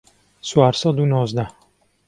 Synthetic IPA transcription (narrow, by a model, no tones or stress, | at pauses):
swaːɾsɑd̪unɔːzd̪a